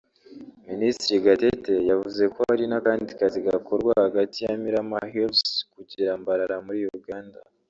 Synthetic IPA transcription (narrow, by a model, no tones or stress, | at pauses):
ministɾiɡatete̞javuze̞kohaɾinakaːndikaziɡako̞ɾɡwahaɡatijamiɾamahilskuɟiɾambaɾaɾamuɾijuɾuɡaːnda̰